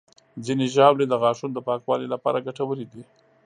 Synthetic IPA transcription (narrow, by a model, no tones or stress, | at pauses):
zineʒɑwled̪əɣɑʂund̪əpɑkwɑlilapɑ̰ɾaɡaʈawəɾid̪i